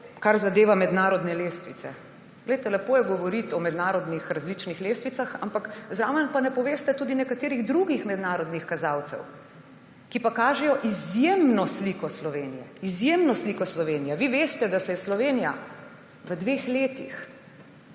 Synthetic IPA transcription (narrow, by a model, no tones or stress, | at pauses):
kaɾzad̪eːʋamɛd̪naːɾɔd̪nɛleːst̪ʋit̪sɛ̰ | ɡ̥lɛjt̪ɛlɛpoːjɛɡɔʋɔɾit̪ɔmɛd̪naːɾɔd̪nixɾazlit͡ʃnixleːst̪ʋit̪saxa̰mpakzɾaʋəmpanɛpɔʋeːst̪ɛt̪uːd̪inɛkat̪eːɾiɣd̪ɾuɡixmɛd̪naːɾɔd̪nixkazaːwt̪sɛ̰w | kipakaːʒɛjɔʔizjemnɔsliːkɔslɔʋeːnijɛizjemnɔslikɔslɔʋeːnijɛʋiʋeːst̪ɛd̪asɛjɛslɔʋeːnija | ʋəd̪ʋeːxleːt̪ix